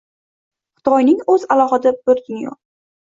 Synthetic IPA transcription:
χʊ̥t̪ʰɒjnɪŋɵzalˠɒχɨd̪abɵɾt̪ʲʰɪŋʲjɒ̰q̚

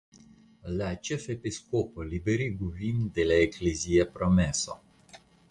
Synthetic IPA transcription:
lat͡ʃəfepiskopɔlibeɾiɡuvind̪ɛlɛeklezijɛpɾɔmɛsɔ̰

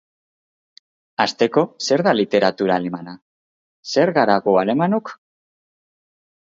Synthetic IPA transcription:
ast̪e̞ko̞se̞ɾðalit̪e̞ɾat̪uɾaːlemana | se̞ɾɣaɾaɣoaɾe̞manok

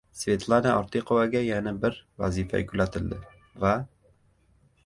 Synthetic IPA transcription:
svʲet̪lˠanaʔɒɾt̪iqŏvaɡæjænɘbɘɾvæ̰zʲifæ̰kʉlæt̪ɘ̆ld̪ɘ | væ

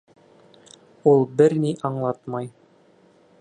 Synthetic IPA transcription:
ulˠbɘɾniʔɑɴlˠɑt̪mɑj

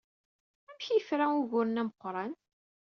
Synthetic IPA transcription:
æmçjəfɾæuʝʊɾnæməqːɾˤɑn

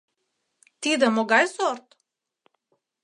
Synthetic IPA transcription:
t̪id̪əmɔɡajsɔɾt̪

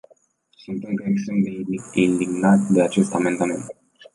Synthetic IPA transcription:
sint̪emkəesemd̪eind̪iɡnat̪ʲd̪e̞at͡ʃe̞st̪ame̞nd̪ame̞nt̪

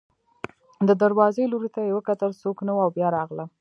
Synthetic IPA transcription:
d̪əd̪aɾwɑzeloɾit̪ajewəkat̪əlsoknawuawbjɑɾɑɣla

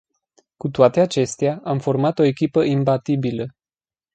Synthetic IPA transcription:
kut̪oat̪e̞at͡ʃe̞st̪eaʔamfo̞rmat̪o̞e̞kʲipəʔimbat̪ibilə

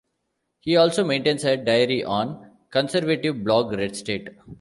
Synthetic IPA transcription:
hiːɔːlsoːmẽːɳʈẽːnseɖaɪəɾiʔɔ̃ːn | kə̃nsəɾʋeʈɪʋblɔːɡɾeɖsʈeːʈ

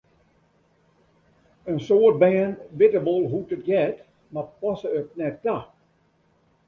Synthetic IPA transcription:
ənsoːt̚bɛːnʋɪtəbolˠɦutət̚ɡɛt | mapɔsəøt̚nɛt̚da

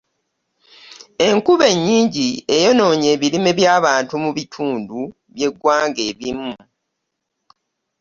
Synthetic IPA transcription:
e̞ŋkuβe̞ɲːiːɲɟiejo̞no̞ːɲe̞ːβilime̞βjaːβaːntumuβitʰuːndu | βje̞ɡːwaːŋɡe̞ːβimːu

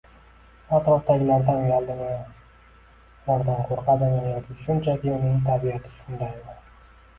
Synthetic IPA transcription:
ɒt̪ɾɒfd̪aɡʲɪlaɾd̪anjalˠd̪ɪma | laɾd̪anqʰoɾqɑd̪amʲanjɒkʲɪʃʊnt͡ʃʰakʲɪʊnɪŋt̪ʰabiat̪ʰɪ̥ʃʊnd̪ajbʊɾ

